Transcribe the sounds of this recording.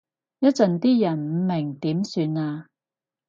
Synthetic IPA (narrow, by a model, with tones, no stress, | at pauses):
jɐ˥t̚t͡sɐ˨nt̪iː˥jɐ˨˩nm̩˨˧mɪ˨˩ŋt̪iː˨˥msyː˧naː˧